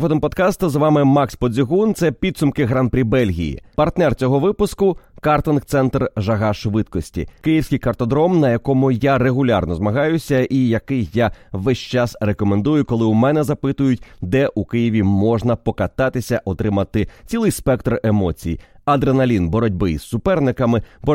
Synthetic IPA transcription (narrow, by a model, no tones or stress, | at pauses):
fɔd̪ɔmpɔd̪kɑst̪ɐzʋɑmɪmɑkspɔzʲiɦunt̪sɛpʲid̪sʊmkɪɣɾanpɾʲibɛlʲɦʲḭjḭpɐrt̪nɛrt͡sʲɔɦɔʋɪpʊskʊkɑrt̪ɔnkt̪sɛnt̪rʒɐɦɑʃʋɪt̪kɔsʲtʲḭkɪjiwsʲkɪjkɐrt̪ɔd̪ɾɔmnɐjɐkɔmʊjare̞ɣʊlʲa̰rnɔzmɐɦɑjʊsʲɐʔijɐkɪjːaʋɛʃʲt͡ʃɑsrekɔme̞nd̪ujʊkɔlˠɪʊmɛnɛzɐpɪt̪ʊjʊtʲd̪ɛʔukɪjiʋʲimɔʒnɐpɔkɐt̪ɑt̪ɪsʲɐʔɔt̪ɾɪmɐt̪ɪt͡sʲilˠɪjspɛk̚t̪remɔt͡sʲijḭɐd̪ɾenɐlʲinbɔɾɔdʲbɪizsʊpɛrnɪkɐmɪbɔ